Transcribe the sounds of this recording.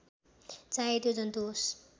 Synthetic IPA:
t͡saet̪jod͡zʌnt̪us

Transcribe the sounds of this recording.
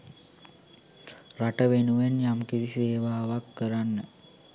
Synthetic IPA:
raʈəʋenuʋenjamkiɾiseːʋaːʋakːəɾanːə

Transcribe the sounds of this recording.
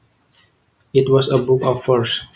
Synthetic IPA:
itwɔsəbukɔfəɹs

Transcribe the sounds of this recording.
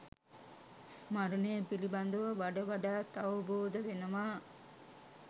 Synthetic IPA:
maɾunebilibɐnd̪uʋɐʋaɖɐʋaɖaːt̪ɐwboːd̪ɐʋenɐmaː

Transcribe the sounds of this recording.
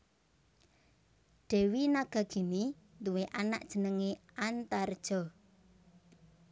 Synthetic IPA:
ɖ̥ɛ̤winaɡ̥a̤ɡ̥ini | t̪uweʔana̰ʔ̚d̥ʒ̥ə̤nəŋeant̪ard̥ʒ̥ɔ̤

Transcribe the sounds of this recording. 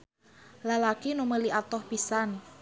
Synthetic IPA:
lalakinuməliat̪ɔhpisan

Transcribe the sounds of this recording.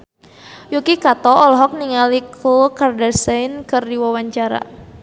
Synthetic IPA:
jukikat̪ɔɔlɔɦɔk̚niŋalikʰukardasajnkərdiwawaɲt͡ʃaɾa̰

